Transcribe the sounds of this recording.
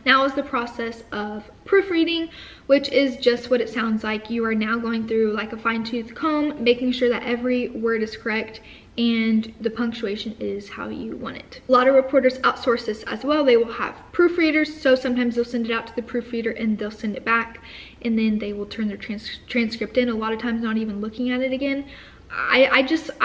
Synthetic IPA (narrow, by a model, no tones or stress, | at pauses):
naʊʌzðɨpʰɹ̥ɔsɛsʌv̥pʰɹ̥ʉfɹiɾɪ̃ŋ | wɪt͡ʃɪzd͡ʒʌst̚wʌɾɨtsãʊ̃ndzlaɪkʰjɨə˞naʊɡoʊɪ̃ŋθɹʉlaɪkəfãɪ̃ntʰʉθkhõʊ̃mːeɪkɪ̃ŋʃʊɹðɨ̰ɾʔɛvɹiwɜ˞ɾɨz̥kʰə˞ɛk̚t | ɨ̃nðɨpʰʌ̃ŋk̚t͡ʃueɪʃɨ̃nɪz̥ha̰ʊjɨ̰wɑ̰̃ñɪ̰tlɑɾʌvɹɨpʰɔɹɾə˞zaʊtsɔɹsðɪsɨ̰zwɛlˠðeɪwəlˠə̰v̥pʰɹ̥ʉfɹiɾə˞z̥soʊsʌ̃mtʰãɪ̃mzðeɪlˠsɛ̃ndɨɾaʊtʰɨðɨpʰɹ̥ʉfɹiɾə˞ʔɨ̃nðeɪlˠsɛ̃ndɨt̚b̥æk | ʔɨ̃nðɨ̃nðeɪwəlˠtʰɜ̃˞nðə˞tʰɹ̥æ̃nstʰɹ̥æ̃nskɹ̥ɪp̚tɨ̃nəlɔɾʌv̥tʰãɪ̃mznəɾivɨ̃nlʊkɪ̃ŋɨɾɨɾɨɡɛ̃n | a̰ɪʔaɪd͡ʒʌst